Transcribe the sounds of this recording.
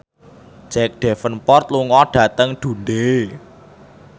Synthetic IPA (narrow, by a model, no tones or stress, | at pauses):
d͡ʒ̥ɛk̚ɖ̥ɛfənpɔrt̪̚luŋɔɖ̥ä̤t̪əŋɖ̪̥ṳnɖe